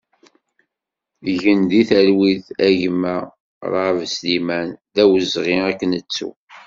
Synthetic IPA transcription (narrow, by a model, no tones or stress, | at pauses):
ʝənðiθælwiðæʝmæ | ɾˤɑvslimænðæwəzʁiækːənət͡sːṵ